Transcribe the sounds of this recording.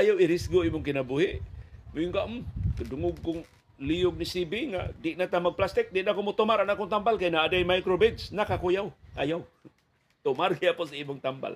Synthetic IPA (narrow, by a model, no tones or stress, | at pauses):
ajawiɾɪsɡoimʊŋkɪnabuɦɪʔmujʊŋkaʔmkadʊŋʊɡ̚kʊŋ | lijʊɡ̚nisibiŋa̰ʔdɪʔʔnat̪amaɡ̚plast̪ɪk̚dɪʔnakomʊt̪ʊmaɾanakʊŋt̪ambalkajnaadajmajkɾobidsnakakujawʔajaw | t̪ʊmarkiapʊs̬aimʊŋt̪amba̰l